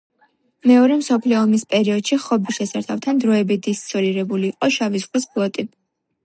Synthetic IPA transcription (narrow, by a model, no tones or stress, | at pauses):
mɛɔɾɛmsɔpʰliɔːmispʼɛɾiɔd̪̥ʃiχɔbiʃɛsaɾt̪ʰaft̪ʰand̪ɾɔɛbid̪ist̪sʼɔɾiɾɛbuliːqʼɔʃavisχwisbʰʼlˠɔt̪ʼi